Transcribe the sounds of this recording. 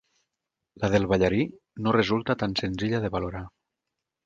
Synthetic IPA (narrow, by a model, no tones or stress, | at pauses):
laðelˠβaʎaɾi | norezulˠt̪at̪ansenziʎaðeβaloɾa